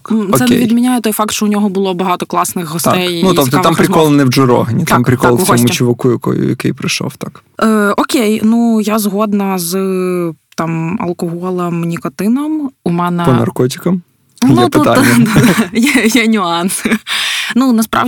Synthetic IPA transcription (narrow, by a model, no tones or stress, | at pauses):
sɛnɛʋʲid̪mʲinʲajɛt̪ɔjfɑkt̪ʃt͡ʃɔʊnʲɔɦɔbʊlˠɔbɐɦɑt̪ɔklˠɑsnɪxɦɔst̪t̪ɛjnut̪ɔpt̪ɔampɾʲɪkɔlˠnɪwd͡ʒʊɾɔ̰ɦɐnʲit̪ampɾɪkɔlˠsɔmʊt͡ʃiʋɪkujɐkɔ̰jʊ̰jɐ̰kɪ̰jpɾɪʃɔ̰wt̪akəɔkʲejnujazɦɔd̪nɐz | t̪ɑmɐ̰lˠkɔɦɔlˠɐmnʲikɔt̪ɪnɔmumɛnɛpɔnɐ̰rkɔt̬ʲi̥kɐm | nut̪ɔt̪aɛjjanʲʊɑn | nunɐspɾɑ̰ʋ